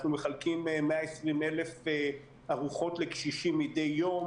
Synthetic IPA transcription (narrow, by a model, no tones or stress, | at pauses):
χnumeχalkimemeaesʁime̞lefe | aʁuχo̞tlekʃiʃimide̞jːo̞m